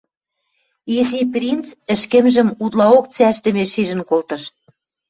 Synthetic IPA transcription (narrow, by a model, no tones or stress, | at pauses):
iziprʲint͡sə̆ʃkɘ̆mʒə̆mut̪lɑokt͡sæʃt̪ə̆meʃiʒə̆nkolt̪ɤ̆ʃ